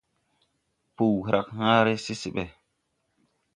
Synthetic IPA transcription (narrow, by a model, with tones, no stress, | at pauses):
pu˨whɾa˨khãː˦ɾe˦si˦si˨ɓɛ˨